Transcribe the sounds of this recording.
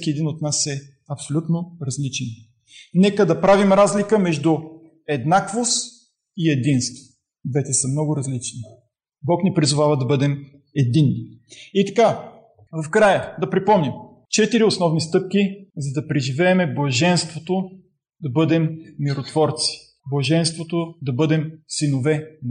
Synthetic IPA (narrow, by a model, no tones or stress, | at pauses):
kʲiɛd̪inot̪nasɛ | ɐpsolʲut̪noɾɐzlit͡ʃɛn | nɛkəd̪ɐpɾavimɾazlikəmɛʒd̪ʊ | ɛd̪nakvos | iɛd̪inst̪ | d̪vɛt̪ɛsəmnɔɡʊɾɐzlit͡ʃni | bɔknipɾizʊvavɐd̪ɐbɤd̪ɛm | ɛd̪inːiit̪ɐ̥ka | vɐfkɾajəd̪ɐpɾipɔmnim | t͡ʃɛt̪iɾiosnɔvnist̪ɤp̚kʲizɐd̪ɐpɾɛʒivɛːmɛblˠɐʒɛnst̪vot̪o | d̪ɐbɤd̪ɛmːiɾot̪vɔɾt̪si̥ | blˠɐʒɛnst̪vot̪od̪ɐbɤd̪ɛmsinovɛn